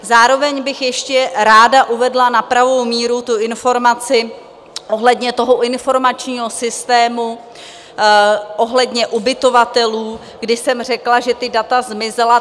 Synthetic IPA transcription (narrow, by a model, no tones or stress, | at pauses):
zaːɾo̞vɛɲbɪxjɛʃcɛɾaːdaʔuvɛdlanapɾavo̞wmiːɾut̪uʔɪnfo̞ɾmat͡sɪ | ʔo̞ɦlɛdɲɛt̪o̞ɦoʔɪnfo̞ɾmat͡ʃɲiːɦo̞sɪst̪ɛːmu | ʔo̞ɦlɛdɲɛʔubɪt̪o̞vat̪ɛluː | ɡdɪsɛmr̝ɛklaʒɛt̪ɪdat̪azmɪzɛla